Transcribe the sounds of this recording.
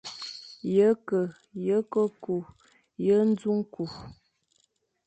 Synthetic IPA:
jə˦kə˨ | jə˨˦kə˦ku˨ | jə˦n̩˦zu˦ŋku˨

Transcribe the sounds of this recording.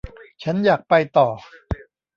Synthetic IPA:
t͡ɕʰa˦˥njaː˨˩k̚pa˧jt̪ɔː˨˩

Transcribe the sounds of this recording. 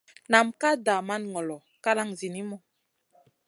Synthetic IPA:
na˨mka˦da˨ma˦nŋɔ˨lɔ˨ | ka˦la˦ŋzi˨ni˦mɔ˦

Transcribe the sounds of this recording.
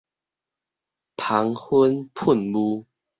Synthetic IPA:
pʰa˨˦ŋhə˦npʰu˥˨nbu˦

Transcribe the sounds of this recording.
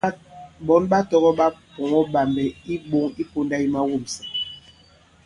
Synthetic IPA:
bɔ˨˦nɓa˦tɔ˦ɣɔ˦ɓa˦pɔ˨ŋɔ˦ba˨mbɛ˨i˦ɓo˦ŋi˦po˦nda˦i˦ma˦wo˦˨msa˨

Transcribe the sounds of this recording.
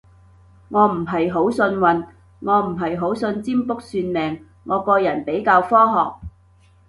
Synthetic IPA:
ŋɔː˨˧m̩˨˩ɦɐ˨jɦo˨˥wsɵ˧nwɐ˨˧n | ŋɔː˨˧m̩˨˩ɦɐ˨jɦo˨˥wsɵ˧nt͡siː˥mpʊ˥k̚syː˧nmɛː˨˩ŋː | ɔː˨˧kɔː˧jɐ˨˩npe˨˥jkaː˧wfɔː˥ɦɔː˨k̚

